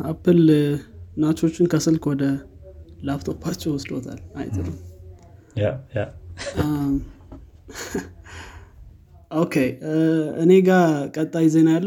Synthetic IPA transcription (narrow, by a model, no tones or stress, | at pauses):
ʔapːɨl | nat͡ʃo̞t͡ʃːɪnkʰəsɨlkwɔd̪ə | laft̪ʰopʰːat͡ʃːɛwɔsd̪ot̪ʰa̰la̰jt̪ʰɨləm | aja | ʔokʰe | ɨ̰ne̞ɡakʼət̪ʼːajze̞najalːə